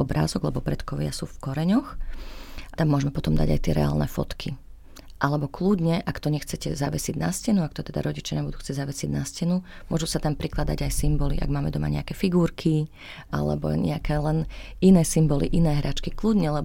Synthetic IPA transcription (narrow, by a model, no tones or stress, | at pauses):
ɔbɾa̰ːzɔɡlɛbɔpɾɛt̪kɔʋɪa̰sṵːfkɔɾɛɲɔx | t̪amːʊɔʒmɛpɔt̪ɔmd̪a̰ɟa̰jt̪ɪɛ̰ɾɛ̰a̰ːlnɛ̰fɔ̰t̪kʰi | ʔalɛbɔkluɟɲɛʔakt̪ɔɲɛxt͡sɛcɛzaʋɛsiːɟnascɛnuak̚t̪ɔt̪ɛd̪a̰ɾɔɟit͡ʃɪaɲɛbud̪uːxt͡sɛɟzaʋɛsɪiɟnascɛnumʊɔʒusat̪ampɾiklad̪aɟajsimbɔlḭʔa̰ɡmaːmɛd̪ɔma̰ɲɛ̰akɛːfiɡuːɾkʰi | a̰lɛ̰bɔ̰ɲɛ̰akɛːlɛninɛːsimbɔlḭʔinɛːɦɾat͡ʃkikluɟɲɛlɛb